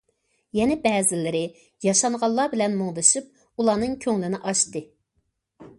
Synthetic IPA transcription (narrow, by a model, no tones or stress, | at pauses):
jɛnɛbɛːzɪlɪɾɪ | jɑʃɑɴʁɑlˠːɑːbɪlɛnmoŋd̪ɨʃɨp̚ | ulˠɑːnɨŋkʲʰøŋlɪnɪʔɑʃt̪ɨ